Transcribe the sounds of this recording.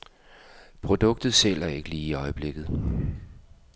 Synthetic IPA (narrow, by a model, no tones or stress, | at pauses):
pʰʁo̝d̥ɔ̽ɡ̥̚d̥ð̞̩ˠsel̰æɐe̝ɡ̥əliːiɒ̽ɪəb̥le̝ɡ̥ð̩ˠ